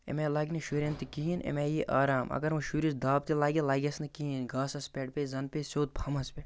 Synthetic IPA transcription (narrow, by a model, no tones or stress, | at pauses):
ḛmeːlaːɡʲniʃuːɾʲɐnt̪ikiinʔḛmeːjeʔaːɾaːmʔɐ̰ɡɐɾmɐʃuːɾisd̪aːb̚t̪ilaːɡʲelaːɡʲɐsnɐkiːinɡaːsɐspʲeːʈ̚peːzɐnpesoːt̪̚pʰɐmɐspe